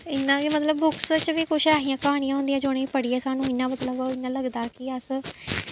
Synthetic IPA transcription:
ɪnːãːmət̪ləbːʊkst͡ʃʋiːkʊʃʰɛːɦijãːkəɦaːɽ̃ijãɦʊ̃nd̪ijãːd͡ʒoːɽẽːipəɽiːɛːsaːnũːɪnːãːmət̪ləbɪnːãːləɡd̪aːkɪəs

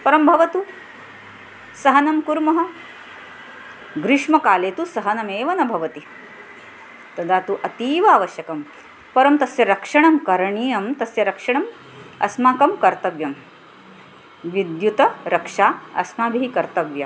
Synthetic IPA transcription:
pɐɾɐmbʱɐʋɐt̪u | sɐɦɐnɐmkuɾmɐɦɐ̆ | ɡɾɪʂmɐkaːleːt̪usɐɦɐnɐmeːʋɐnɐbʱɐʋɐt̪i | t̪ɐd̪ʱaːt̪uʔɐt̪iːʋaːʋɐʃjɐkɐm | pɐɾɐmt̪ɐsjɐɾɐkʂɐɳɐmkɐɾɐɳiːjɐmt̪ɐsjɐɾɐkʂɐɳɐm | ɐ̰smaːkɐmkɐɾt̪ɐʋjɐm | ʋid̪jut̪ɐɾɐkʂaːɐ̰smaːbʱiɦikɐɾt̪ɐʋjɐ

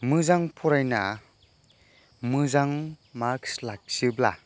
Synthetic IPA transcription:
mɯzaŋpʰɔɾajna̰ | mɯzaŋmakslak̚sɯbla

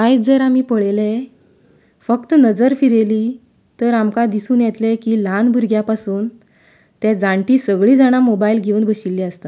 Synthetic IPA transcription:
kajd͡zəɾamiːpəɭele | fəkt̪ənəd͡zəɾfiɾeliː | t̪əɾamkad̪isuːnjet̪lekiːlanbʱuɾɡʱjapasuːn | t̪ɛ̃d͡zaɳʈiːsəɡɭiːd͡zaɽ̃amobailɡʱeuːnbʱəɕilːiəst̪a

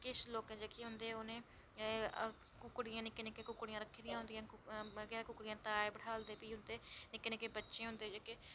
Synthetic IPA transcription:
kɪʃloːkẽːd͡ʒeːkeɦʊnd̪eːoːnẽː | kʊkɽɪjãːnɪkːeːnɪkːeːkʊkɽijãːɾəkʰːiːd̪ɪjãɦʊ̃nd̪ɪjãːɡekʊkɽijãːt̪aːeːbəɽ̤aːld̪eːpiːɦʊnd̪eːnɪkːeːnɪkːeːbətːʃẽːɦʊ̃nd̪eːd͡ʒeːkeː

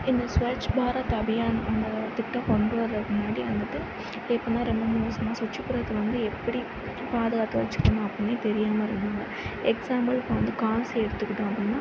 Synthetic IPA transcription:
ɪnd̪ɐsʋɐɾt͡ʃːbaːɾat̪ɐbɪjaːnʔɐnɡ̪ɐt̪ɪʈːaːpɔɳɖɯʋɐɾɐmʊnaːɽiɐnɡ̪ɐʈ̪ːɯ | ɛpːonːãːɾɛmɐmoːsɐmaːsʊt͡ʃːɪpːʊɾɐt̪ːɐʋɐnd̪ɯɛpːɐɽi | paːðɯɣaːt̪ːɯʋɐ̰ɾɪt͡ʃːɯ̥kːɐnːãːɐpːɐnːeːt̪ɛɾɪjaːmɐɪɾɯnd̪aːŋɡɐ | ɛksaːmɐlɪpːɐʋɐnd̪ɯkaːnseɛɽɯt̪ːɯkːɪʈːõːɐpɽɪnːãː

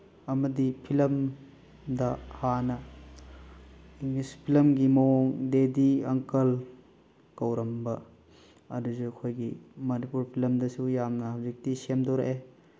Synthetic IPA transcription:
ɐmɐdipʰilɐm | dɐhanɐ | ŋispʰilɐmɡimowoŋdediɐŋkɐl | kɐwɾɐmbɐ | ɐ̰dusuɐkʰojɡimɐnipuɾpʰilɐmdɐsujamnɐhawzik̚tisemdoɾɐ̰ʔe

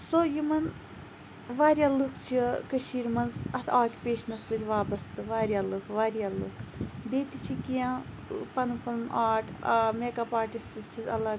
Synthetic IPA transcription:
sojimɐn | ʋaːɾʲjaːlukt͡ʃʰikəʃiːɾmɐnzɐt̪ʰaːkʲipʲeːʃnɐsɨlʲʋaːbɐst̪ɨʋaːɾjaːlukʋaːɾjaːlukʰbeːt̪it͡ʃʰikijã | pɐnpɐnʔaːʈʰɐmeːɡaːpaːʈist̪ɨzt͡ʃʰizɐ̰lɐ

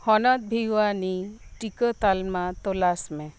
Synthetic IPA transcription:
hɔnɔd̪̚bʱiwaniʈikət̪almat̪ɔlasmẽ

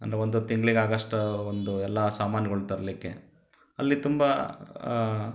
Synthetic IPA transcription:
ɐnd̪ɾeond̪ut̪iŋɡɭiɡaːɡɐʂʈɐond̪uɛlːɐsaːmaːnjɐɡɐɭt̪ɐɾɐlikːḛ | ɐlːit̪umbɐ

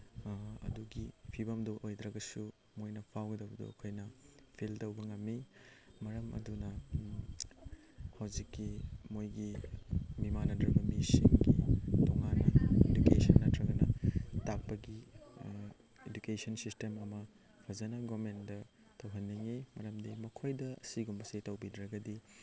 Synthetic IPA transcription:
ɐ̰duɡipʰibɐmduʔojd̪ɾɐɡɐsu | mojnɐpʰawɡɐdɐwbɐdṵɐ̰kʰojnɐpʰiltɐwbɐŋɐmːimɐɾɐmɐ̰dunɐ | hɐwzikːimojɡi | mimanɐdɾɐbɐmisḭŋɡitɔŋanɐedukesɐnːɐtɾɐɡɐnɐtak̚pɐɡi | edukesɐnsistemɐmɐ | pʰɐzɐnɐɡomendɐ | tɐwɦɐnːɐŋimɐɾɐmdimɐkʰojdɐɐ̰siɡumbɐsitɐwbidɾɐɡɐdi

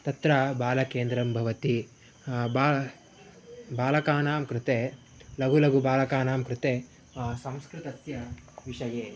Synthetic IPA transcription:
t̪ɐt̪ɾɐbaːlɐkeːnd̪ɾɐmbʱɐʋɐt̪i | ba | baːlɐkaːnaːmkɾut̪eː | lɐɡulɐɡubaːlɐkaːnaːmkɾut̪eː | sɐ̃mskɾɪt̪ɐsjɐʋiʂɐjeː

